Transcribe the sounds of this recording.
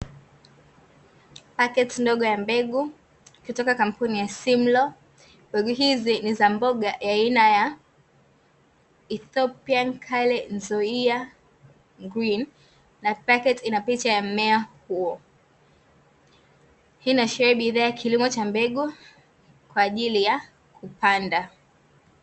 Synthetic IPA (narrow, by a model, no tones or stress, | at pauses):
pakɛtndɔɠɔjambɛɡu | kutɔkakam̩punijasim̩lɔ | mbɛɡuɦizinizambɔɠajainaja | iθɔpiankʰalɛnzɔia | ŋɡɾinː | apakɛtinapit͡ʃajamɛahuɔ | hinaʃɛɾɛɓiðaːjakʰilimɔt͡ʃambɛɠu | kwaːʄilija | kupanda